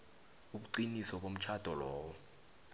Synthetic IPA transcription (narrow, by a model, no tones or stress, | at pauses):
uɓuǃinisɔɓom̩t͡ʃʰad̥ʱɔlɔːwɔ